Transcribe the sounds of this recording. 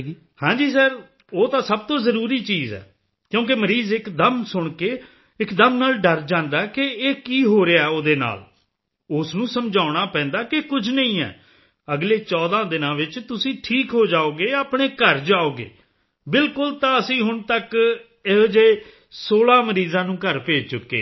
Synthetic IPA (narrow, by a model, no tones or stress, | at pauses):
hãːd͡ʒiːsɛːɾ | oːt̪ãːsəb̚t̪õːzəɾuːɾiːt͡ʃiːzɛ̰ː | kjõːk̬ɪməɾiːzɪkd̪əmsʊɳkeː | ɪkd̪əmnaːlɖəɾd͡ʒãːnd̪aːkɪeːkiːɦoːɾeaːɛoːd̪eːna̰ːl | ʊsnũːsəmd͡ʒaːʊɽ̃aːpɛ̃ːnd̪aːkɪkʊd͡ʒʰʱnəĩːɛ̰ː | əɡleːt͡ʃɔːd̪ãːd̪ɪnãːʋɪt͡ʃt̪ʊsĩːʈʰiːkɦoːd͡ʒaːoːɡeːaːpɳeːkəɾd͡ʒaːoːɡḛː | bɪlkʊlt̪ãːəsĩːɦʊɳt̪ək | ɪd͡ʒeː | soːlãːməɾiːzãːnũːkəɾpeːd͡ʒt͡ʃʊkːḛː